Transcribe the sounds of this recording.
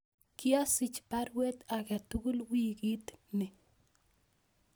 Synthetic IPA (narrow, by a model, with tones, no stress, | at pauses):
kjɔ˦sɪ˨t͡ʃpaɾwɛ˦t̪akɛt̪u˦ɡʊ˦lwiɡi˦t̪nɪ˨